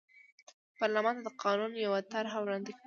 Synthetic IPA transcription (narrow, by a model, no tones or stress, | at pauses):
pɑɾlamɑnt̪ad̪əqʰɑnunjawat̪aɾɦawɾɑnd̪ik